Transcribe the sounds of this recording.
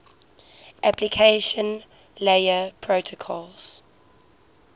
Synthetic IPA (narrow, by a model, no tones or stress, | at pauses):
ʔaplikʰeɪʃə̃n | leəpʰɹotʰokʰɔlz̥